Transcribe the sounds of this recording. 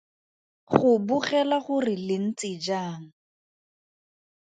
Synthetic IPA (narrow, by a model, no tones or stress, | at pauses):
χʊbuχɛlaχʊrɪlɪn̩t͡sɪd͡ʒaːŋ̩